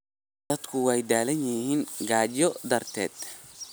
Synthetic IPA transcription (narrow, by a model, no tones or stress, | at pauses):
d̪ɐd̪kʰʊwɛjd̪aːlɐnjɪhiːŋɡaːt͡ʃɔd̪ɐrt̪ʰɛ̰ːd̪̥̚